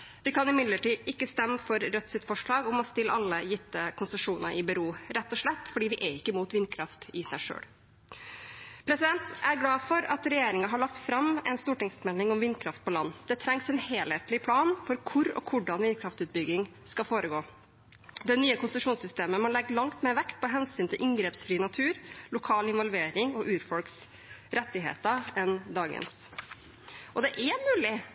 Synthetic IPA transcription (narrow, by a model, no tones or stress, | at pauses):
ʋɪkʰɑnɪmɪd̪ləʈiːɪkːəst̪ɛmːəfɔɾɾœt̪ːsɪt̪fɔʂɭɑːɡɔmɔst̪ɪlːɑlːəjɪt̪ːəkʰʊnsəʂuːnəʔɪbɛɾuːɾɛt̪ːɔʂɭɛt̪ːfɔɖiːʋɪʔɛɪkːəmuːt̪ʋɪnkʰɾɑft̪ɪsæɪʂø̰ːɽ | pʰɾɛsɪd̪ɛnt̪æɾɡlɑːfɔɾɑt̪ɾɛjeːɾɪŋɑɦɑɭɑk̚t̪fɾɑmɛ̰nst̪uːʈɪŋsmɛlɪŋɔmʋɪnːkʰɾɑft̪̚pɔlɑnːd̪ɛt̪ʰɾɛŋsɛnheːlheːt̪lɪpʰlɑːnfɔɾkʰʊɾɔ̰kʰʊɖɑnʋɪnkʰɾɑft̪ʉːt̪̚bʏɡɪŋ | skɑlfoːɾəɡoː | d̪ɛnyːəkʰʊnsəʂuːnsʏst̪eːməmɑnlɛɡːəɭɑŋt̪mɛːʋɛkt̪̚pʰɔɦɛnsyːnt̪ʰɪlʔɪŋɡɾeːpsfɾiːnɑt̪ʰʉːɾlʊkʰɑːlɪnʋɔlʋeːɾɪŋɔʔʉːɾfɔlks | ɾɛt̪ːɪɦḛːt̪əɛnd̪ɑːɡə̰ns | ʔɔd̪ɛʔæmʉːlɪ